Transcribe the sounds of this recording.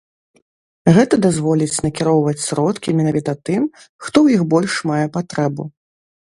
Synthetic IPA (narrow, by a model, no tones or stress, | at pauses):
ɣɛt̪ɐd̪azvɔlʲit͡sʲnɐkʲiɾɔwvɐt͡sʲsɾɔt̪kʲimʲɛnavʲit̪ɐt̪ɨm | xt̪ɔwjixbɔlʲʂmajɛpat̪ɾɛbu